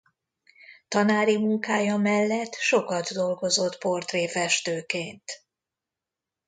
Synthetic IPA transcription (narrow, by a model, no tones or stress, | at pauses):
t̪ɒnaːɾimuŋkaːjɒmɛlːɛt̪ːʃo̞kɒd̪d̪o̞lɡo̞zo̞t̪po̞rt̪reːfɛʃt̪øːkeːnt̪